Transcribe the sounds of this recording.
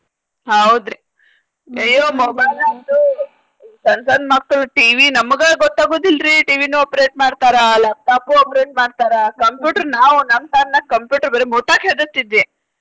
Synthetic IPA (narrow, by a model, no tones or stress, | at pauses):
ɦɐwd̪ɾi | ɐjːoːmɔbɐjlad̪u | sɐnsand̪masɐlʈiːʋinɐmːɐɡɐɭɡɔt̪ːaːɡoːd̪ilɾiʈiːʋinuoːpɾeːʈ̚maːɖt̪aːɾɐlaːp̚ʈaːpuoːpɾeːʈ̚maːɖt̪aːɾɐkɐmpjuːʈɐɾnaːʋunɐmt̪aːnnɐkɐmpjuːʈɐɾbɐɾemoʈaːkɦeːd̪ɐst̪ːid̪ʋi